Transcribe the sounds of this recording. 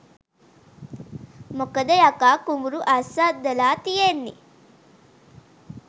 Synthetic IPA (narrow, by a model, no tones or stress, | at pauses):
mokəd̪ɐjakaːkumuɾuʔasad̪ːəlaːt̪ijenːḭ